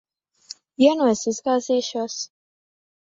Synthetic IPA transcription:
iɛnuɔsizɡaːziːʃuɔs

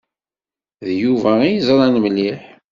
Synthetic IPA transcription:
ðjuvæijizˤɾˤɑnməlːiħ

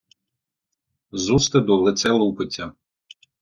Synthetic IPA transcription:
zust̪ɪd̪ɔlˠɪt̪sɛlˠupɪtʲːɐ

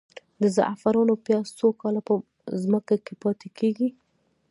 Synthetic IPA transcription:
d̪əza̰ʔfaɾɑnopjɑsokɑlapə | zməkakepɑt̪ekeɡi

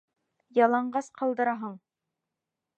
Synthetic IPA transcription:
jɑlˠɑɴɢɑsqʰɑlˠd̪ɤ̆ɾɑɦɤɴ

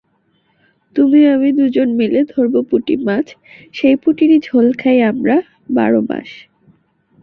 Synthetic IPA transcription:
t̪umiamid̪ud͡ʑonmeled̪ʱoɾbopuʈḭmat͡ɕʰ | ʃejpuʈiɾid͡ʑʱolkʰajamɾa | ba̰ɾoma̰ʃ

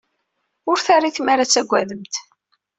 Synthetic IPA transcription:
ʊɾθaɾːiθmaɾat͡sːæɡʷːæðəmt̪

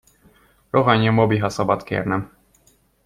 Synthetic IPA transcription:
ɾɔɦaɲɛmɔbiɦasɔbat̪kʲḛɾnɛm

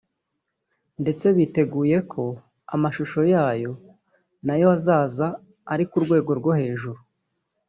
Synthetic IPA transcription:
nde̞t͡se̞βite̞ɡuːje̞kʰo̞ | a̰maʃuʃo̞jaːjo̞ | najo̞azaːzaː | ɾikuɾɡwe̞ːɡo̞ɾɡo̞he̞ːʒuɾu

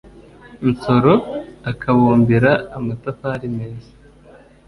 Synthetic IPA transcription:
nsoɾo̞akʰaβoːmbiɾaːmatafaːɾimeːzḁ

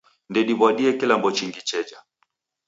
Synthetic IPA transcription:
ndɛɗiβwaɗiɛkilambɔt͡ʃiŋɡit͡ʃɛd͡ʒa

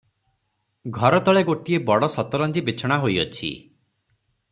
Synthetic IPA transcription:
ɡʱɔɾɔt̪ɔɭeɡoʈiebɔɽɔsɔt̪ɔɾɔnd͡ʒibit͡ʃʰɔɽ̃aɦojɔ̰t͡ʃʰḭ

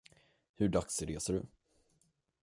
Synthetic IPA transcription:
hɵɖaksɾeːsɔɖɵ

